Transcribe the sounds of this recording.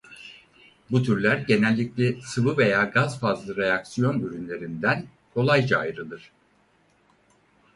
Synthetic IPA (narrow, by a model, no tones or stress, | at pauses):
but̪ʰyɾlʲæɾɟe̞nælʲːiclʲɛsɯvɯve̞jaːɡazfazlˠɯɾe̞jaksijo̞nyɾynlʲe̞ɾind̪æn | kʰo̞lˠajd͡ʒaːjɾɯlˠɯɾ̥